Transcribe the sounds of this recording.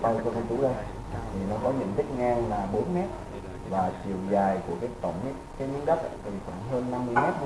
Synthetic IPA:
a˧˩kt̪ʰu˧˩t͡ɕṵ˧˩˦zə˧j | t̪ʰi˨˩nɔ˨˦kɔ˨˦ɲɨ̰˧˥˨nt̪ʰï˦˥k̟̚ŋɛ˧laː˨˩ɓo˨˦nmɛ˦˥t̚ | vaː˨˩t͡ɕi˨˩əwzaː˨˩jku˧˩əkaː˨˦t̪ə˧˩˨ŋ͡mɲ˧˦ka˨˦jɲɨ̰˧˦˥ŋɗə˦˥t̚a̰˧˨t̪ʰi˨˩kɔ˧˩nɦəː˧nːa˧mːɨ˧əjmɛ˦˥t̚

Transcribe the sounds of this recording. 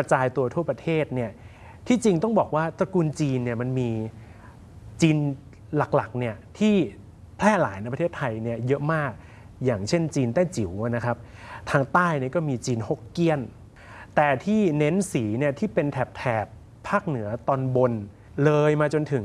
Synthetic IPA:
pɾa˧t͡ɕaː˧jt̪u˧ɐt̪ʰu˥˩ɐpɾa˧t̪ʰeː˥˩t̪̚ni˥˩ɐ | t̪ʰiː˥˩t͡ɕi˧ŋt̪ɔ˥˩ŋbɔː˨˩k̚waː˥˩t̪ɾa˧kuː˧nt͡ɕiː˧nːi˥˩ɐma˧nmiː˧ | t͡ɕiː˧n | la˨˩k̚la˨˩k̚ni˥˩ɐt̪ʰiː˥˩ | pʰlɛː˥˩laː˩˦jna˧˩pa˧eː˥˩t̪ʰːa˧jni˥˩ɐjɤ˦˥ʔmaː˥˩k̚ | jaː˨˩ŋt͡ɕʰe˥˩nt͡ɕiː˧nt̪ɛː˥˩t͡ɕi˩˦wna˦˥kʰa˦˥p̚t̪ʰaː˧ŋt̪aː˥˩jni˥˩ɐkɔː˥˩miː˧t͡ɕiː˧nho˦˥˩kki˥˩ən | t̪ɛː˨˩t̪ʰiː˥˩ne˦˥nsiː˩˦ni˥˩ɐt̪ʰiː˥˩pe˧nt̪ʰɛ˨˩p̚t̪ʰɛː˨˩pʰː | aː˥˩k̚nɯ˩˦ɐt̪ɔː˧nbo˧n | lɤː˧jmaː˧t͡ɕo˧nt̪ʰɯ˨˩˦ŋ

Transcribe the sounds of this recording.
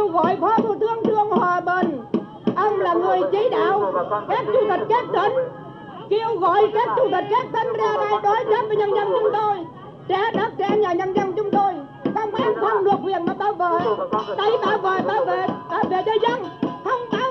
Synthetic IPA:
əwɣɔ̰˧˨jkʰwaː˧˦t̪ʰu˨˩t̪ʰɨ˧əŋt̪ʰɨ˧əŋhwaː˨˩ɓə˨˩n | ʔə˧wŋ͡mlaː˨˩ŋɨ˨˩əjt͡ɕi˨˦ɗa̰ː˧˨wkaː˦˥k̚t͡ɕu˧˩t̪ə˨˩t̟̚kɛ˦˥t̚t̪ə˨˧˦n | ki˧əwɣɔ̰˧˨jkaː˦˥k̚t͡ɕu˧˩t̪ə˨˩t̚ke˦˥t̚t̪ʰə˧˦ŋzaː˧naː˧jɗɔ˨˦jzə˦˥p̚vaː˨˩ɲə˧nɲa˧ŋt͡ɕʊ˨˦ŋ͡mt̪o˧j | t͡ɕaː˧˥ɗa˦˥p̚t͡ɕɛ̰˧˥ɲaː˨˩ɲa˧nzə˧ŋt͡ɕʊ˨˦ŋ͡mt̪o˧j | ka˧wŋ͡mʔa˧˦nt̪ʰə˧wŋ͡mlɨ˨˩ək̚wḭ˨ənmaː˨˩ɓaː˧˦wvəː˧˨jt̪a˧jɓaː˧˩wvəː˨˩jɓaː˧˩ve˧˨˩ɓaː˧˩ve˨˩t͡ɕəː˧˦jzə˧˨ŋt̪ʰə˧wŋ͡mɓaː˨˧˦

